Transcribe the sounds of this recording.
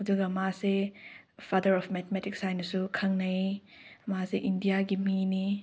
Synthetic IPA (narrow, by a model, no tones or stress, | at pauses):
ɦɐduɡɐmase | pʰadɐɾɔpʰmɛt̪ʰmetik̚sajnɐsukʰɐŋnɐjmaseʔindijaɡimini